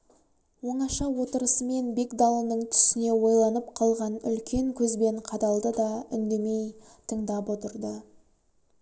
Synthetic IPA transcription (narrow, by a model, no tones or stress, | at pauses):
wo̞ɴɑʃɑwo̞t̪əɾəsəme̞nbe̞kd̪ɑlˠənəɴt̪ʰʏ̥sɪne̞wo̞jlˠɑnəpqʰɑlˠʁɑnʏ̰lkʲe̞ŋkʲʰɵzbe̞ɴqʰɑd̪ɑlˠd̪əd̪ɑʏnd̪e̞me̞j | t̪ʰəɴd̪ɑpwo̞t̪əɾd̪ə